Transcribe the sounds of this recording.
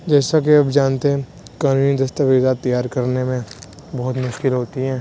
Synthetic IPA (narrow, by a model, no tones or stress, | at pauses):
d͡ʒɛːsak̬eɐbd͡ʒaːnt̪eɦɛ̃ | kaːnuːnid̪ɐst̪aʋɪd̪aːt̪ːɐjaːɾkɐɾnemẽ | bɐɦʊt̪mʊʃkɪlɦoːt̪iɦɛ̃ː